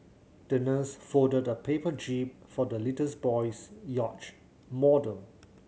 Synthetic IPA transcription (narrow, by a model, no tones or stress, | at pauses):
d̥ənəsfɔdədəpʰepəd͡ʒipfɔdəlitəsbɔɪsjɔt͡ʃ | mɔdəl